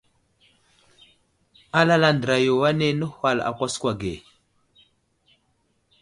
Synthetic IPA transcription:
a˦la˦la˦ndɾa˨jo˨wa˦ne˦nə˦hwa˦˨la̰˨kʷa˦skwa˨ɡe˨

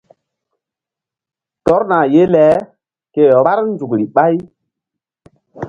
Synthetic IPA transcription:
tɔ˦ɾna˨je˦lɛ˨˦ | ke˨ɾa˦ɾnd͡ʒu˨kɾi˨ɓa˦j

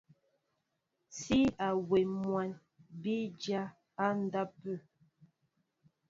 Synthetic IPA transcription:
si˦a˨we˨mwa˨n | bi˦d͡ʒa˦ | a˦n̩˦da˦pə˦˨

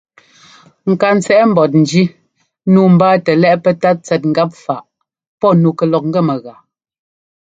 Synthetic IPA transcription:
ŋ̩˨ka˨n̩˨t͡sɛ˦ʔm̩˨bɔ˨t̬̚n̩˨d͡ʒi˦ | nu˦m̩˨baː˦tɛ˨lɛ˦ʔpɛ˦ta˦t̚t͡sɛ˨t̚ŋ̩˦ɡa˦p̚fa˨ʔ | pɔ˦˨nu˨kɛ˨lɔ˨k̚ŋ̩˦ɡɛ˦˨mɛ˨ɣa˨

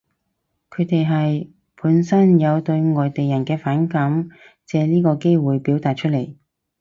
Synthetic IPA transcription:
kʰɵ˨˧ɥt̪e˨jɦɐ˨j | pʰuː˨˥nsɐ˥njɐ˨˧wt̪ɵ˧ɥŋɔː˨jt̪e˨jɐ˨˩nkɛː˧faː˨˥nkɐ˨˥m | t͡sɛː˨˧liː˥kɔː˧ke˥jwuː˨jpiː˨˥wt̪aː˨t̚t͡ʃʰɵ˥t̚le˨˩j

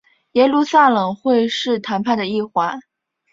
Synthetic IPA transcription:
jɛ˥˧lu˥˧sa˥˩lɤ˨˩ŋxwe˥˧ɪʂɻ̩˥˩t̪ʰa˧˥npʰa˥˩d̪ə˩i˥˩xwa˧˥n

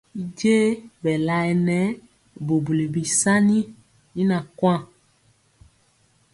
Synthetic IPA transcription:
i˦˨d͡ʒe˦bɛ˨la˨ɛ˨nɛ˦ | bo˨bu˨li˨bi˨sa˦ni˦ | i˦na˨kwã˦˨

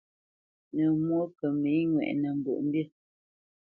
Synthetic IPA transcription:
nə˨mwo˦kə˨mi˨˦ŋwɛ̰˨ʔnə˨ŋ̩˨ɡə̰˨ʔm̩˦bjə˦

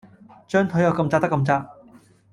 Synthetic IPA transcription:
t͡ʃœː˥ŋt̪ʰɵ˨˥ɥjɐ˨˧wkɐ˧mt͡saː˧t̪kːɐ˧mt͡saː˧˥

